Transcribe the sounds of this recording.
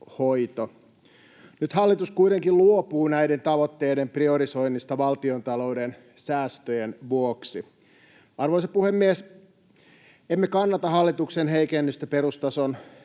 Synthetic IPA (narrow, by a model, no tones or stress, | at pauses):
hoit̪o | nyt̪hɑlːit̪uskuit̪eŋkilluopuːnæident̪ɑʋot̪ːeːdemprioɾiso̞inːist̪ɑʋɑlt̪iont̪ɑlouden | sæːst̪øjenʋuoksi | ɑrʋoisɑpuhemːies | emːekɑnːɑt̪ɑɦɑlːit̪uksenɦeikenːyst̪æperust̪ɑson